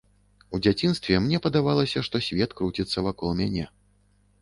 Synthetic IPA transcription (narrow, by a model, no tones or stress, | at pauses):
ud͡zʲat͡sʲinst̪vʲɛmnʲɛpɐd̪avalˠɐsʲɐʂt̪ɔsʲvʲɛt̪kɾut͡sʲit̪sːɐvakɔlˠmʲanʲɛ